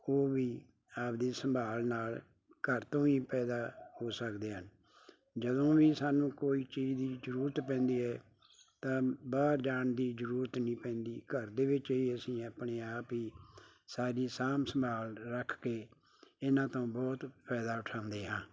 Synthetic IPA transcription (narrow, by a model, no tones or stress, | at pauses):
oːʋiː | aːpd̪iːsəmbʱaːlnaːl | kəɾt̪õːiːpɛːd̪aːhoːsəkd̪eːɦən | d͡ʒəd̪õːʋiːsaːnũːkoːiːt͡ʃiːd͡ʒd̪iːd͡ʒəɾuːɾət̪pɛ̃ːnd̪iːɛː | t̪ãːbaːɾd͡ʒaːɳd̪iːd͡ʒəɾuːɾət̪nĩːpɛ̃ːnd̪iːkəɾd̪eːʋɪt͡ʃiːəsĩːaːpɳeːaːpiː | saːɾiːsaːmsəmbʱaːlɾəkʰkeː | ɪnãːt̪õːbɔːt̪pʰɛːd̪aːʊʈʰãːʊ̃nd̪eːɦãː